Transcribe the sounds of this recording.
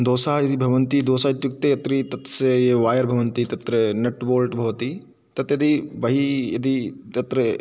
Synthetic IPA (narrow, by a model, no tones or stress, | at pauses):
d̪oːsaːjɐd̪ibʱɐʋɐnt̪id̪oːsaːt̪jukt̪ejɐt̪ɾit̪ɐt̪sejeʋaːjɐɾbʱɐʋɐnt̪it̪ɐt̪ɾɐnɐʈboːlʈbʱɐʋɐt̪i | t̪ɐt̪jɐd̪ibɐɦijɐd̪it̪ɐt̪ɾɐ